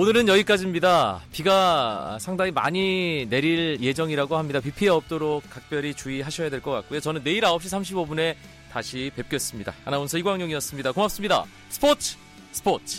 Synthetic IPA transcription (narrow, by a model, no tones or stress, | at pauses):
onɯɾɯnjʌɡik͈ad͡ʑimɲidapiɡa̰sʰaŋdaŋima̰ɲine̞ɾiɭje̞d͡ʑʌŋiɾaɡohamɲidapipʰieʌp̚t͈oɾok̚k͈ak̚p͈jʌɾit͡ɕuiɦaɕʰʌjadwe̞ɭk͈ʌk͈at̚k͈ojot͡ɕʌnɯnːe̞iɾaʌp̚ɕ͈isʰamɕʰibobune̞ | taɕʰipe̞p̚k͈jʌs͈ɯmɲida̰ːnaonsʰʌiɡwaŋɲoŋijʌs͈ɯmɲidakomap̚s͈ɯmɲida̰ | sʰɯ̥pʰotʰ | sʰɯ̥pʰotʰ